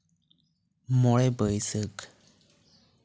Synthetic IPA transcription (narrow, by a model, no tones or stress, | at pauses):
mɔɭɛbəjsək